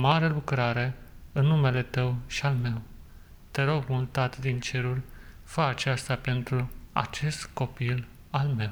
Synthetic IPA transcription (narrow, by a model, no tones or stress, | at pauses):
maɾelukɾaɾe̞ɨnːume̞le̞t̪əwʃialme̞w | t̪e̞ɾo̞ɡmult̪at̪d̪int͡ʃe̞ɾulʲ | fəːt͡ʃast̪ape̞nt̪ɾua̰t͡ʃe̞st̪ko̞pil | alme̞w